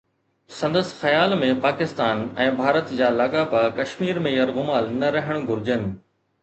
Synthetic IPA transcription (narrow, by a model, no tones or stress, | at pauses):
sɐ̃nd̪əsxɐjaːlmẽpaːkɪst̪aːnɛ̃ːbʱaːɾət̪d͡ʑaːlaɠapɐkɐʃmiːɾmẽjɐɾɣʊmaːlnɐɾɐɦəɽ̃ɡʱʊɾɪd͡ʑənɪ̆